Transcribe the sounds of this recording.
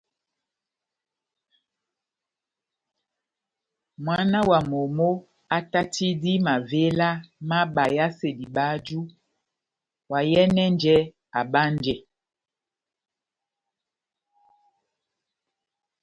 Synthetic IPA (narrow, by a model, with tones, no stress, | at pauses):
mwa˦na˦wa˨mo˨mo˦ | a˦ta˦tʰi˦di˦ma˨ve˦la˦ma˦ɓa˨ja˦se˨di˨ɓa˦d͡ʒu˦ | wa˨jɛ˦nɛ˦nd͡ʒɛ˦ | a˨ɓa˦nd͡ʒɛ˨